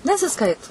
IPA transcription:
nʲɛsʲɪˈskɐɪtʊ

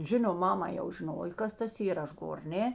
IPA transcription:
ˈʒʲɪnoːm ˈmɑːmɐ jɛʊ ʒʲɪˈnoːj ˈkɐs tɐs ˈiːrɐ ˈɐʃ ˈɡoːr ˈnʲɛ

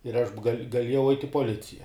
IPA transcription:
ɪr ˈɐʃ ɡɐˈlʲiɛjɛʊ ɐɪtʲ ɪ poːˈlʲɪt͡sʲɪjɛ

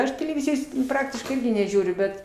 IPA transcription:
ˈɐʃ tʲɛlʲɛˈʋʲɪzʲɪjoːs ˈprɑːktʲɪʃkɐɪ ˈɪrʲɡʲɪ nʲɛˈʒʲuːrʲʊ ˈbʲɛt

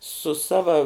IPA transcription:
sʊ ˈsɑːʋɐ

